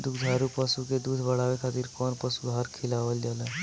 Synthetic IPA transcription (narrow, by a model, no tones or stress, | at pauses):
d̪ʊkʰd̪ʱaːɾupəsuked̪uːd̪ʱbəɽaːʋekʰaːt̪iːɾkɔːnpəsud̪ʱɦaːɾkʰɪlaːʋəld͡ʒaːleː